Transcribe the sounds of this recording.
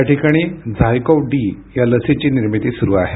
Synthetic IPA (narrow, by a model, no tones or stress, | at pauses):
jaʈikaɽ̃iːd͡zʱajkɔwɖiː | jaləset͡ɕiːniɾmit̪iːsuɾuːaɦe